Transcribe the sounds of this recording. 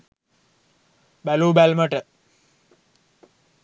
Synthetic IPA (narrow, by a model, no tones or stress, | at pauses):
bæluːbælməʈə